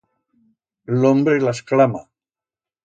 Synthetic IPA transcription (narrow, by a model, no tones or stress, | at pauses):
lombɾelasklama